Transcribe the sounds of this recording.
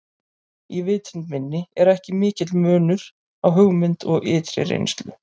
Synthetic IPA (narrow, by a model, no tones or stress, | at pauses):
ivɪːt̪ʰɪnmɪnːɪɛɾɛhcɪmɪːcɪt̪lmœːnʏɾ̥ | awɦʏɣmɪnt̪ʰɔɣɪːt̪ɾɪ̰ɾḛjnst̪lʏ̰